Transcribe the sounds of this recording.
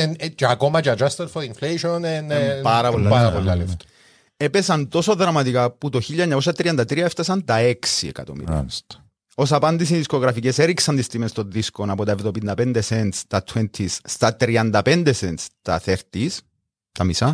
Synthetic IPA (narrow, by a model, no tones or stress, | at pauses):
nt͡ʃeɐkomɐt͡ʃɐd͡ʒɐst̪ɐt̪foinfleʃonenpɐɾɐpolːɐaɾɐpolːaleft̪o̥ | epesɐnt̪o̞soðɾɐmɐt̪ikaput̪o̞çiʎːɐeɲːɐkos̬ɐt̪ɾiɐnd̪ɐt̪ɾiɐeft̪ɐsɐnt̪ɐeksiḛkɐ̰t̪o̰mḭɾ̰st̪ | osɐpɐnd̪is̬inðisko̞ɣɾɐficeseɾiksɐnt̪ist̪imenst̪onðiskonɐpot̪ɐevðopind̪ɐpend̪esent̪st̪ɐt̪ʰwent̪ʰisːt̪ɐt̪ɾiɐnd̪ɐpend̪esent̪st̪ɐ̰θeɾt̪is | t̪ɐmisɐ